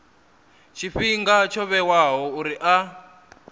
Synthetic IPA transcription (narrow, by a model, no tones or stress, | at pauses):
t͡ʃʰiɸiŋɡat͡ʃʰɔβɛwaɦɔuɾiʔa